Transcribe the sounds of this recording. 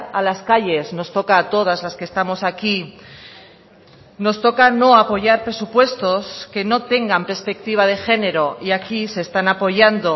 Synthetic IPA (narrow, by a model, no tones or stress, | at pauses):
alaskaʎe̞zno̞st̪o̞kaːt̪o̞ð̞azlaske̞st̪amo̞saki | no̞st̪o̞kano̞apo̞ʝaɾpɾe̞supwe̞st̪o̞ske̞no̞t̪e̞ŋɡampe̞ɾspe̞k̚t̪iβ̞að̞e̞xe̞ne̞ɾo̞iakise̞ːst̪anapo̞ʝand̪o̞